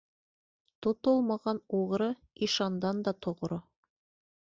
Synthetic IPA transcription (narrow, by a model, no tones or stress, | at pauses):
t̪ŏt̪olˠmɑʁɑnuʁɾɤ | iʃɑnd̪ɑnd̪ɑt̪ŏʁɾo